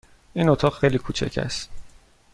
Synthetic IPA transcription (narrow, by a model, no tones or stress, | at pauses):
ʔiːnot̪ʰɒːɣxejliːkʰuːt͡ʃʰæ̰cʰæ̰st̪̚